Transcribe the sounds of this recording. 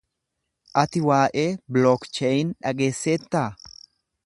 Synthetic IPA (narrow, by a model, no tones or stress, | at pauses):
ʔɐt̪ɪwaːʔe̞ːblɔkt͡ʃejɪnᶑɐɡeːsːeːt̪ːaː